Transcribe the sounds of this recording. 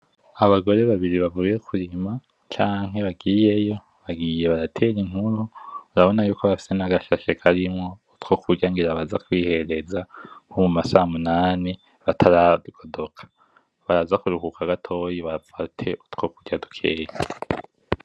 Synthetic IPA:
aβaɡo̞ɾe̞βaβiɾiβavuje̞kʰuɾima | t͡ʃaːŋɦe̞βaɡije̞jo̞ | βaɡije̞βaɾatʰe̞ɾiŋ̥uɾuɾaβo̞najuːkoβafi̥senaɡaʃaʃekʰaɾimŋo̞utko̞kuɟaŋɡiɾaβazakwiːhe̞ɾe̞zaomumasamunaːni | βatʰaɾaduɡ̥o̞do̞kʰḁ | βaɾazakuɾuhukʰaɡatʰo̞jiβafatʰe̞ʔutko̞kuɟadukʰeːja

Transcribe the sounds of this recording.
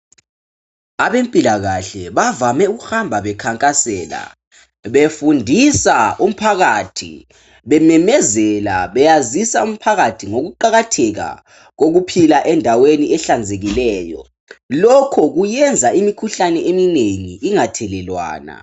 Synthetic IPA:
aβempʼilaɣaɬɛβavamɛuɣuhambʱaβɛkʰaŋkʼasɛːla̰ | βefundʱisaum̩pʰaɣatʰḭ | βɛmɛmɛzɛla̰βɛjazisaum̩pʰaɣatʰiŋoɣuǃaɣatʰɛɣa̰ | ɣoɣupʰilaʔɛndʱaweniɛɬand͡zʱeɣilɛːjɔ̰ | lɔkʰɔɣujɛnd͡zʱaimikʰuɬanɛʔemineŋiʔːŋatʰɛlɛlwa̰ːna̰

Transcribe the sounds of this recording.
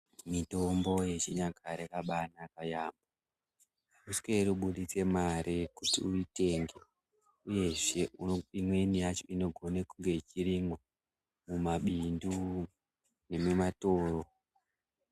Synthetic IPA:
mito̞mbo̞je̞t͡ʃiɲaɡʱaɾekaɓanakajaːmba | uskwe̞ruɓuɗit͡se̞maɾekutḭuite̞ŋɡe̞ | uje̞ʐe̞uimwe̞nijat͡ʃo̞ino̞ɡʱo̞nekuŋɡe̞it͡ʃiɾiŋwa | mumaɓindu | ne̞mumatoːro̞

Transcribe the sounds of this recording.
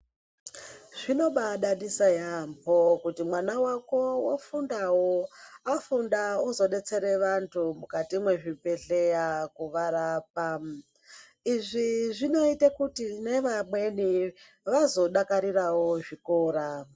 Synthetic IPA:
ʐ̥ino̞ɓaɗanisajampʰokutimwanawako̞wafundawoafundauzo̞ɗe̞t͡se̞ɾe̞ʋantʰumukatimwe̞ʐipe̞ɬejakuʋaɾaːp̚a | iʐiʐino̞itakutine̞ʋamwe̞ni | ʋazo̞ɗakaɾiɾawo̞ʐikoːɾa

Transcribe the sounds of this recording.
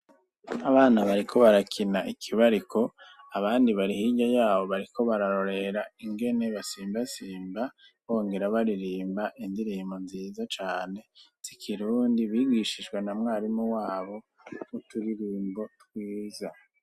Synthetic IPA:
aβaːnaβaɾikʰo̞βaɾakʰinaʔikʰiβaɾikʰo̞ | aβaːndiβaɾihiɟajaːβo̞βaɾikʰo̞βaɾaɾo̞ɾe̞ɾaiŋɡe̞ne̞βasiːmbasiːmba | βo̞ːŋɡe̞ɾaβaɾiɾiːmbaʔindiɾiːmbo̞nziːzat͡ʃaːne̞z̥ikʰiɾuːndiβiɡiʃiʒɡwe̞namŋaːɾimuwaːβo̞ | utuɾiɾiːmbo̞twiːza

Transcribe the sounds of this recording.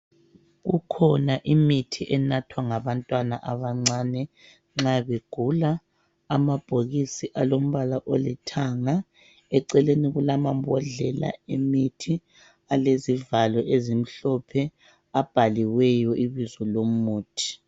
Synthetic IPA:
ɣukʰɔnaʔimitʰiʔɛnatʰwaŋaβantʼwana̰ʔaβaŋ͡ǀanɛ | ŋ͡ǁaβeɡ̥ʱulaː | mab̥ʱoɣisiʔalom̩βalaʔolitʰaŋa | ɛǀɛleniɣulamambʱɔɮɛla̰emitʰi | alezivalɔʔezim̩ɬɔpʰɛ | ab̥ʱaliwɛjɔʔiβizɔlomuːtʰi̥

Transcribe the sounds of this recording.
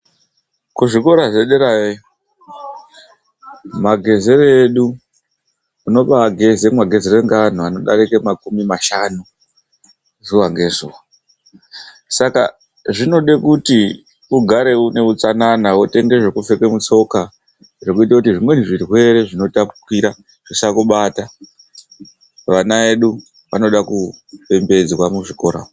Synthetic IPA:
kuʐiko̞ɾazeɗeɾaje | maɡʱe̞ze̞ɾeɗu | no̞ɓaɡʱe̞zemwaɡʱe̞zeɾeŋɡaan̤uano̞ɗa̰ɾikemakumimaʃanu | zuʋaŋɡe̞zuːwa | saka̰ | ʐino̞ɗekuti | uɡʱaɾe̞une̞ut͡sananawote̞ŋɡe̞ʐekufe̞ke̞mut͡so̞ka | ʐe̞kuitakutiʐimwe̞niʐirwe̞ɾe̞ʐino̞tapukiɾa | ʐ̥isakuɓata | ʋanae̞ɗu | ʋa̰no̞ɗakupe̞mbe̞d͡zwamuʐiko̞ɾa̰ːo

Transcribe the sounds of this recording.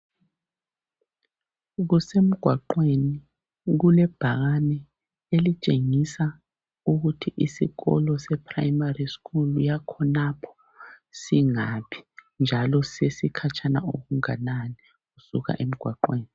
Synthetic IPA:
ɣusem̩ɡ̥ʱwaǃweni | ɣulɛb̥ʱaɣanɛ | elit͡ʃʼeŋisa | uɣutʰiʔisḭɣɔ̰lɔsɛpʰra̰jmariskʰʼulujakʰɔnapʰɔ̥ | siŋapʰi̥ | nd͡ʒʱalɔsesikʰat͡ʃʰana̰oɣuŋanani | ɣusuɣa̰ʔem̩ɡ̥ʱwaǃweːni

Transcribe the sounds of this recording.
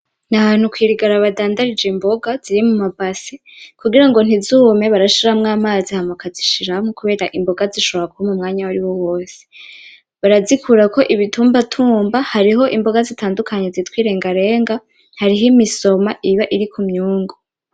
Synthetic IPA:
naβaːn̥hukwiːɾiɡaɾaβadaːndaɾid͡ʒembo̞ɡaziɾimumabasi | kuɡiɾaŋɡo̞n̥izuːme̞βaɾaʃiɾamŋaːmaːzihamakaziʃiɾamukuβe̞ːɾaʔimbo̞ɡaziʃoβɾakuhomumŋaːɲawaɾiwo̞wo̞ːse | βaɾazikʰuɾako̞ʔiβitʰuːmbatʰuːmbahaɾiɦo̞ʔimbo̞ɡazitaːndukʰaɲezitwiːɾe̞ːŋɡaɾe̞ːŋɡa | haɾiɦimiso̞maʔiβaʔiɾikʰumɲuːŋɡo

